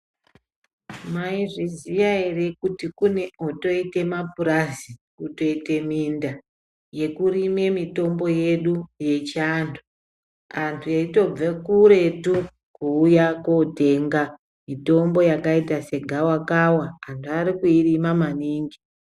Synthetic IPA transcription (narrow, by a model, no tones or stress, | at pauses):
maiʐizijaerekutikune̞oto̞ite̞mapuɾazikuto̞ite̞minda | je̞kuɾime̞mito̞mbo̞je̞ɗuje̞t͡ʃantʰu | antʰuaito̞b͡vakuɾe̞tu | kuːjakote̞ːŋɡa | mito̞mbo̞jakaitase̞ɡʱawakawaːntʰuaɾikuirimamaniːŋɡi